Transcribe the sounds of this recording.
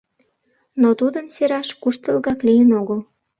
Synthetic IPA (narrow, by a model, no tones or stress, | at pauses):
not̪ud̪əmseɾɑʃkuʃt̪əlɣɑklijənoɣəl